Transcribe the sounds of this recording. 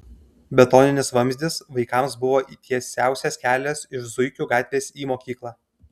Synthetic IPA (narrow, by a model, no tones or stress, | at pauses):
bʲɛt̪ɔːnʲɪnʲɪsʋɐmʲzʲd̪ʲɪsʋɐɪkɑˑmsbʊʋoːʔiːt̪ʲʰiɛsʲæˑʊsʲɛskʲæːlʲɛsɪʃzʊɪkʲuːɡɑˑːt̪ʲʋʲeːsʲiːmoːkʲiːklˠɑː